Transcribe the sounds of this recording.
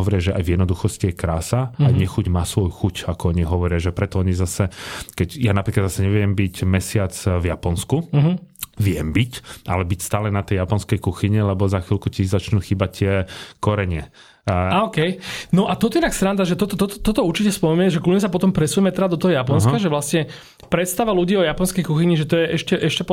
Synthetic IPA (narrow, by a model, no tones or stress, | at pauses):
ɔʋɔɾɪaʒɛʔa̰jvjɛd̪nɔd̪uxɔscijɛkɾaːsaaɲɛxuɟmaːsʋɔjuxucakɔɔɲiɦɔʋɔɾɪaʒɛpɾɛt̪ɔɔɲizasɛkɛcjanapɾikad̪zasɛɲɛʋɪɛmbicmɛsɪat͡svjapɔnskuɦʋɪjɛmbicʔa̰lɛbicst̪aːlɛnat̪ɛjjapɔnskɛjkuxiɲilɛbɔzaxʋilkutizat͡ʃnuxiːbact̪ɪɛkɔɾɛɲɪɛ | aɔkɛjnɔʔat̪ɔt̪ɔɛɛnakst̪ɾand̪aʒɛt̪ɔt̪ɔt̪ɔt̪ɔt̪ɔt̪ɔuɾt͡ʃicɛspɔmɛmɛʒɛkluɲɛsapɔt̪ɔmpɾɛsujɛmɛt̪ɛɾad̪ɔt̪ɔɦɔjapɔnskaʒɛʋlasɲɛ | pɾɛt̪st̪aʋaluɟiːɔjapɔnskɛjkuxiɲiʒɛt̪ɔjɛʔɛʃcɛʔɛʃcɛp